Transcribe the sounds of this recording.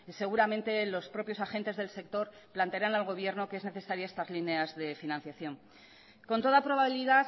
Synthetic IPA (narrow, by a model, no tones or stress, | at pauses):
se̞ɣ̞uɾamẽ̞nt̪e̞lo̞spɾo̞pjo̞saxe̞nt̪e̞zðe̞lse̞k̚t̪o̞ɾ | plant̪eaɾanalɣ̞o̞βje̞ɾno̞kee̞zne̞θe̞saɾjae̞st̪azline̞azðe̞finãnθjaθjo̞ŋ | ko̞nt̪o̞ðapɾo̞βaβiliða